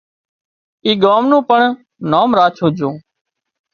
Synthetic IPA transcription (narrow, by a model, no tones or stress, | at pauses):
iːɠoːmnũːpəɳ | noːmɾaːt͡ʃʰũːd͡ʒʱõː